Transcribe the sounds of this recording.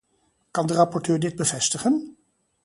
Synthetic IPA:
kɑndərɑpɔɹtøːɹdɪd̚bəvɛstəχən

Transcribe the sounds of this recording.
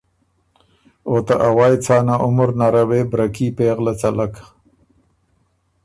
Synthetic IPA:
ot̪aʔawɑjt͡sɑːnaʔʊmʊɾnaɾawebɾakipeːɣlat͡salak

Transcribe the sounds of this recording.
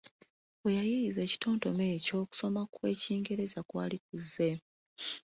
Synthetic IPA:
ejajiize̞ːci̥to̞ːnto̞me̞ːco̞ːku̥so̞makwe̞ːciːŋɡe̞ɾe̞zakwaːlik̚uzːe̞

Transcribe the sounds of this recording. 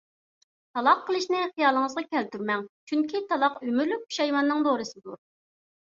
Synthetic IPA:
t̪ʰɑlˠɑqʰːəlˠɨʃnɪχijɑːlˠəŋəzʁɑkʲɛlt̪yɾmɛŋt͡ʃʰyŋkʲʰit̪ʰɑlˠɑqymyɾlyp̚u̥ʃɑjwɑnːɨŋd̪oɾɨsɨd̪uɾ

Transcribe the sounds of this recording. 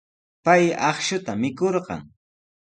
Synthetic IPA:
pajɑχʃʊt̪amɪkoɾɢɑ̰ŋ

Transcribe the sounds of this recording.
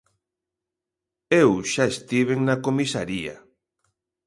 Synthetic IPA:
ewʃaest̪iβ̞eŋnakomisa̰ɾia̰

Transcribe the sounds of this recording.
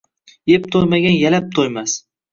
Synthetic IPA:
jep̚t̪ʰojmaɡʲanjalap̚t̪ʰojmas

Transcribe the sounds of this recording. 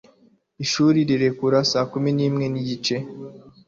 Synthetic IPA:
iʃuːɾiɾiɾe̞kuɾasaːkuminiːmŋe̞niɟit͡ʃe̞

